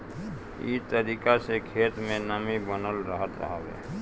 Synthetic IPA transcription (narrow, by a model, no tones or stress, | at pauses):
ḭt̪əɾiːkasekʰeːt̪mẽnəmibənəlɾəɦət̪ɾə̰ɦabḛ